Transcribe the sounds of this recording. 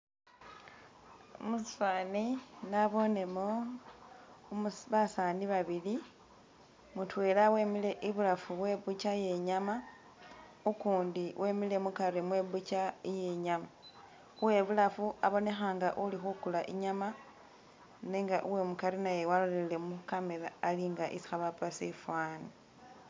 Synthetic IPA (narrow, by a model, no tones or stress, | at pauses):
omusi̥faːninaβo̞ne̞mo | mβasaːniβaβili | mutwe̞ːlawe̞ːmile̞ʔiβulafuβwe̞ːβut͡ʃaje̞ɲama | ukuːndiwʔemile̞mukaɾimweβut͡ʃaije̞ɲama | uwe̞βulafuaβo̞ne̞xaːŋɡaʔulixukulaʔiɲama | neːŋɡaʔuwe̞mukaɾinaje̞walolelle̞mukameɾaːliŋɡaʔḭsi̥xaβapasefwaːni